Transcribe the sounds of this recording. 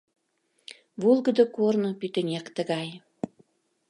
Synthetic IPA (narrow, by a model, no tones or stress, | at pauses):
βulˠɣə̆d̪ə̆kornopyt̪ə̆nʲekt̪ə̆ɣɑj